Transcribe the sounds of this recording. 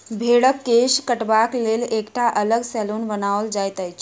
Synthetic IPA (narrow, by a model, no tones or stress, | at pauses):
bʱeɽəkːeʃkəʈbaklelekʈʰaʔələɡsɛlonbənawəld͡ʒajt̪əjt͡ʃʰ